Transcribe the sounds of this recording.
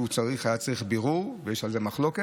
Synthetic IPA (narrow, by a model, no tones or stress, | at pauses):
ut͡saʁiχajat͡saʁiχbiʁuʁvejeʃalzemaχlo̞ke